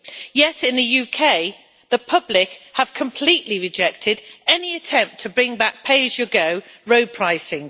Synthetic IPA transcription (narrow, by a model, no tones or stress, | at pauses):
jɛtɪ̃nðəjʉːkʰeɪ | ðəpʰʌblɪkhəv̥kʰə̃mpʰl̥iˑʔliɹɪd͡ʒɛk̚tʰɪdɛniətʰɛ̃mp̚tʰəbɹɪ̃ŋbak̚pʰeɪʒjəɡoʊ | ɹoʊd̚pʰɹ̥aɪsɪ̃ŋ